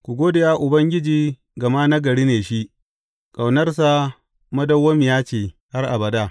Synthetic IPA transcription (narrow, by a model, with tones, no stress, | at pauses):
kʷu˨ɡʷoː˦dɪ˨jaː˦ʔʊ˨bɐ˦ŋɡʲɪ˦d͡ʒiː˨˦ | ɡɐ˨maː˦nɐ˦ɡɐ˨ɽiː˦neː˨ʃi˦ʔ | kʼa˨wnɐ˦rs̬a˦ | mɐ˦dɐ˦wːɐ˦mi˨jaː˦t͡ʃeː˨ha˦rʔa˨bɐ˨da˦